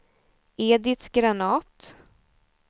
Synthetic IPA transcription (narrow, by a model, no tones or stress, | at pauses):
eːd̪ɪt̪ɡɾanɑːt̪